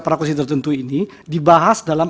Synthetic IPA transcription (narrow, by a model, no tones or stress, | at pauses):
pɾakus̬it̪ərt̪ənt̪uini | dibaɦasdalam